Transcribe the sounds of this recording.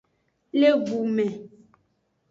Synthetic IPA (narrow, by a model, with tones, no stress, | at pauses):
le˦vu˨ʔmɛ˨